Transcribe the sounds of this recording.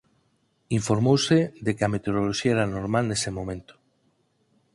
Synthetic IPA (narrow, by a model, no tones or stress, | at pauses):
iɱfoɾmowseðekɪɐmet̪eoɾoloʃiaeɾanoɾmalnesemõmẽnt̪o̥